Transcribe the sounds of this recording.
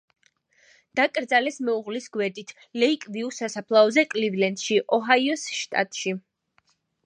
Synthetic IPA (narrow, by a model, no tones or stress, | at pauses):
d̪̥akʼɾd̪zalɛsmɛuʁlisɡwɛɾd̪it̪ʰ | lɛikʼviusasapʰlˠaɔzɛkʼlivlɛnt̪ʃiʔɔɦaiɔsʃt̪ʼa̰t̪ʼʃi